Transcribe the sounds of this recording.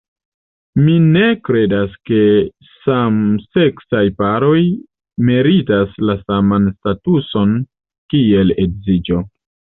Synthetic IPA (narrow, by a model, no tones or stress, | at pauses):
mine̞kɾe̞daske̞ | samse̞ksajpaɾo̞j | meɾitaslasamanstatuso̞n | kie̞leɡzid͡ʒo̞